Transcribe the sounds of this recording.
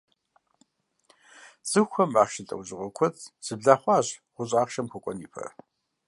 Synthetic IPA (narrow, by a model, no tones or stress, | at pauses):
z̥ɨxxʷɐmaːχʃɪɬʼɐ̰wʑɪʁʷɔkʷʰɔt͡sʼsɨbɮaːχʷɑːʑʁʷʊɕʼaːχʃɐmkʷʰɔkʷʼɔniːpʰɐ̰r